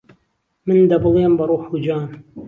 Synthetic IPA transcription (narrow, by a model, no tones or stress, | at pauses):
mɨnd̪ɐbɨlˠeːmbɐɾˤuːħud͡ʒaːn